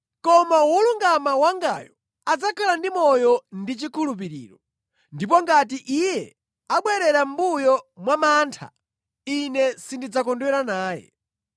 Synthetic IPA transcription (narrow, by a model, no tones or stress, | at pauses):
kɔmawuluŋɡamawaŋɡa̰jɔ | ad͡zakʰalandimɔjɔndit͡ʃikʰulup̬iɾḭːɾɔ | ndip̬ɔŋɡat̬iʔijɛ | aɓwɛɾɛɾam̩bujɔmwamaːntʰa̰ | inɛsindid͡zakɔndwɛɾanaːjɛ̰